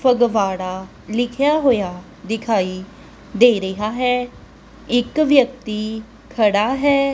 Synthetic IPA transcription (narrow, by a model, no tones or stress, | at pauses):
pʰəɡʋaːɽaː | lɪkʰjaːɦoːjaː | d̪ɪkʰaːiː | d̪eːɾəɦaːɦɛː | ɪkʋjək̚t̪iː | kʰəɽaːɦɛː